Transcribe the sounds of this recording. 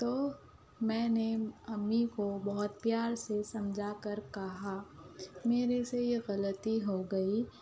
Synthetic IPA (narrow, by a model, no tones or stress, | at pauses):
t̪oː | mɛ̃ːneɐmːikobɐɦʊt̪̚pjaːɾsesɐmd͡ʒʱakɐɾkɐɦa | meːɾesejeɣɐlət̪iɦoɡɐi